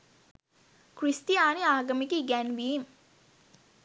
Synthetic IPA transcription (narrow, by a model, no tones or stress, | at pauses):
krist̪iaːniaːɡəmikiɡænʋiːm